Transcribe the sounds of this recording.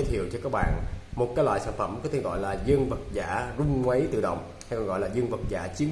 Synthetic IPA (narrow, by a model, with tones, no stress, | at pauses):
t̪ʰi˧˨əwt͡ɕɔ˧kaː˦˥k̚ɓa̰ː˧˨nmo˨˩t̚kaː˨˦jlwa̰ː˧˨jsaː˧˥nfə˧˩mkɔ˨˦t̪ʰe˧˩ɣɔ̰˧˨jlaː˨˩zə˧ŋvə˨˩t̚zaː˧˩˥zʊ˧ŋ͡mŋwə˨˦jt̪ɨ̰˧˨ɗə̰˧˨wŋ͡m | ha˧jkɔ˨˧˩ŋɣɔ̰˧˨jlaː˨˩zə˧ŋvə˨˩t̚za̰ː˧˩t͡ɕi˨˦ə